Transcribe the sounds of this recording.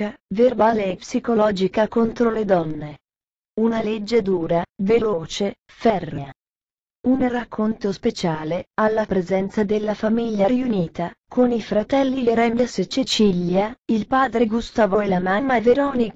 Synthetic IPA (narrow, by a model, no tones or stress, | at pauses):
averbaːleːpsikolɔːd͡ʒikakont̪ɾoled̪ɔnːe | unaled͡ʒːed̪uːɾaveloːt͡ʃe | fɛrːea | unrakʰːont̪ospet͡ʃaːlealːapɾezɛnt̪sad̪elːafamiʎːaɾiuniːt̪akʰonifɾat̪ɛlːiɾɛmjasit͡ʃːit͡ʃiljailpaːd̪ɾeɡust̪aːvoelamamːaveɾɔːni